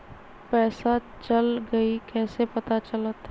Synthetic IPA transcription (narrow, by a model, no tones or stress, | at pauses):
pɛːsa | t͡ʃɐlɡɐikɛːsepɐt̪at͡ʃələt̪